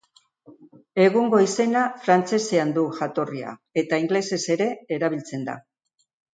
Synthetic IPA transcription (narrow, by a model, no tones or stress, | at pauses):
e̞ɣ̞uŋɡo̞ise̞nafɾant͡se̞se̞and̪uʝat̪o̞ria̰e̞t̪aiŋɡle̞se̞se̞ɾe̞ːɾaβilt͡se̞nd̪a̰